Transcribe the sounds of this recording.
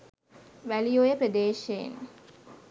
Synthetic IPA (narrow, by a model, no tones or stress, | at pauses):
ʋælijoːjəpɾəd̪eːʃejḛn